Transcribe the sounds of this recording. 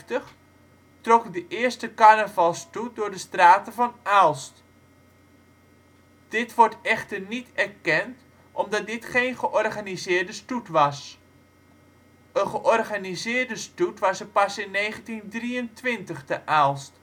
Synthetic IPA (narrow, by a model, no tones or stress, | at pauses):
təχ | trɔkdəʔɪːɹstəkanəvɑlˠstudʊːɹdəstraːtəvɑnʔalˠst | d̥ɪtʋɔɹtɛχtərnitɛrkɛnt | ʔɔmdɑt̚dɪtχejnχəʔɔrχanizɪːɹdəstutʋɑs | ənχəʔɔrχanizɪːrdəstutʋɑsəpɑsɪnːejχəntindriəntʋɪntəχtəʔalˠst